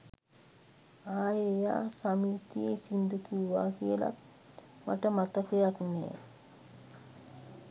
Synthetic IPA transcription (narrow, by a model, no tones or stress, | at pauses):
aːjeja̰ːsamiːt̪ijesind̪əkiuʋa̰ːkiəla̰k | ma̰ʈəmat̪əkejaknɛ̰ː